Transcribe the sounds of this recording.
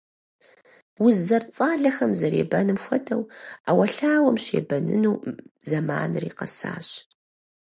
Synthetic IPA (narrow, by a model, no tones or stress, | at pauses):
wʊzɐrt͡sʼaːɮɐxɐmzɐɾḛːbɐnɨmxʷɔdʰɐwaːwɐɬaːwɐmɕḛːbɐnɨ̰nuːzɐmaːnɨriːqɐ̰sa̰ːɕ